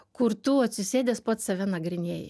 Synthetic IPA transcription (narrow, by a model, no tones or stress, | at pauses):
kʊɾt̪uːɐt̪ʲsʲʊsʲeːd̪ʲeːspɐt̪sɐʋʲɛnɐɡɾʲɪnʲeːjɛ̰